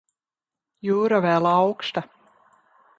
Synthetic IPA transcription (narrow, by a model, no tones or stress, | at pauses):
juːɾavɛːlɑwkʃt̪a